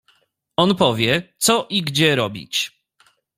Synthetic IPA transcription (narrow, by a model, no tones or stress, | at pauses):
ɔnpɔvʲjɛt̪sɔʔiɡd͡ʑɛɾɔbʲḭt͡ɕ